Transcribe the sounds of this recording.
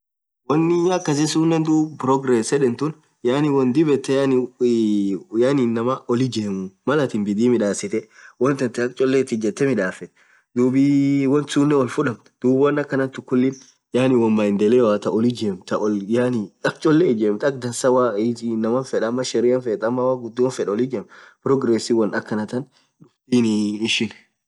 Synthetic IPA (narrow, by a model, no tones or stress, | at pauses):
wɔnːɪɐkːɐs̬ɪsuːnːɛnd̪uːbpɾɔɡɾɛsɛᶑɛnt̪ʊn | jaːnɪwɔnd̪ɪbɛt̪ːɛjan | jaːnɪnːɐmɐɔlɪd͡ʒeːmʊmɐlɐt̪ɪnbɪd̪iːmɪᶑaːsɪt̪ɛwɔnt̪ɐnt̪ɪɐk̚t͡ʃʼɔlːɛt̪ːɪd͡ʒɛt̪ːɛmɪᶑaːfɛt̪ɛ̥ | d̪uːbiwɐnt̪sunːɛɔlfʊᶑɐmt̪d̪̥uːbwɐnɐkːɐnɐnt̪ʊkːʊlːɪn | jaːnɪwɐnmaɪnd̪ɛlewaːt̪ɐʔɔlɪd͡ʒeːmt̪ɐɔljaniɐk̚t͡ʃʼɔlːɛd͡ʒeːmt̪ɐk̚d̪ɐnsɐwanːɐmɐnfɛᶑɐmːɐʃɛɾɪɐnfɛt̪ɐmːɐwaːɡʊd̪ːɪwɐnfɛᶑɔlid͡ʒeːmpɾɔɡɾesiwɐnɐkːɐnɐt̪ɐn | ᶑʊft̪iːnɪʃɪn